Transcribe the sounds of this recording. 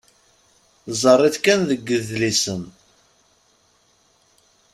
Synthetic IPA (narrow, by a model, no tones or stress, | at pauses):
zˤərˤːiθkænðəɡːəðlisən